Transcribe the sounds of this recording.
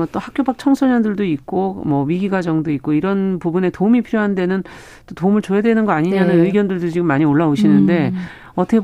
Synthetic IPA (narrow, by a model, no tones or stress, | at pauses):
ʌt͈ohak̚k͈jobak̚t͡ɕʰʌŋsʰʌɲʌndɯɭdoik̚k͈omʌɥiɡiɡwad͡ʑʌŋdoik͈̚oiɾʌnpubune̞toumipʰiɾjoɦande̞nɯn | t͈otoumɯɭt͡ɕojadwenɯnɡʌaɲiɲanɯnɯiɡjʌndɯɭdot͡ɕiɡɯmːaɲioɭːaoɕʰinɯnde̞ | ʌtʰʌkʰe